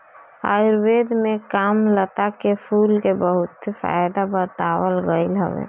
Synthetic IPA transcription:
ə̰ɪɾwed̪mekamlət̪akepʰulkebəɦʊt̪fa̰jd̪abət̪awəlɡəɪlɦə̰ʋḛ

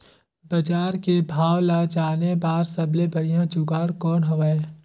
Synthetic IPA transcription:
bəd͡ʒaːɾkebʱaːwlad͡ʒaːnebaːɾsɐblebɐɽijãd͡ʒʊɡaːɽkɔːnɦoʋaeː

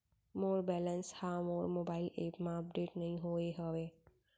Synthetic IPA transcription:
moːɾbɛːlənshãmoːɾmoːbaːɪleːpmãəp̚ɖeːʈnɐɦĩɦoːeɦəʋeː

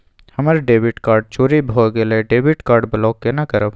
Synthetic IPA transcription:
hɐməɾɖeːbɪʈkaːɾɖ̚t͡ʃoːɾibʱoːɡeleɖeːbiʈkaːɾɖbəlɔːkːenakəɾəb

